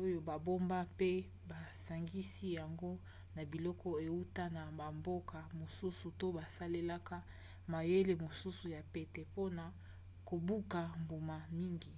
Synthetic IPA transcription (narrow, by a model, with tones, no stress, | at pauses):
o˦jo˨ba˨bo˦mba˦pe˦ | ba˨sa˨ŋɡi˦si˦ja˨ŋɡo˦ | na˨bi˨lɔ˦kɔ˦e˨u˦ta˦na˨ba˨mbo˦ka˨mo˨su˦su˨to˦ba˨sa˦le˦la˦ka˦ | ma˨je˦le˦mo˨su˦su˨ja˨pe˨tɛ˨po˦na˨ | ko˨bu˦ka˨mbu˨ma˨mi˦ŋɡi˨